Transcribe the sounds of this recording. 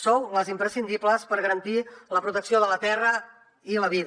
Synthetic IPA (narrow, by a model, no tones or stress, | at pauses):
sowləzimpɾəsind̪ipləspəɾɣəɾənt̪iləpɾut̪əksioðələt̪ɛrə | iləβið